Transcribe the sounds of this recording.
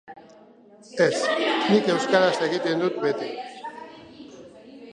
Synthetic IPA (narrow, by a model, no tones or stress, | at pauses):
esnike̞wskaðasekit̪end̪ut̪̚bet̪i